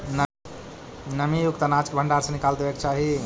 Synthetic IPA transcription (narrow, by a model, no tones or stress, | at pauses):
n | nəmijukt̪ənat͡ʃkbʱəɳɖaɾsə̃nikald̪ebekt͡ʃʰaɦi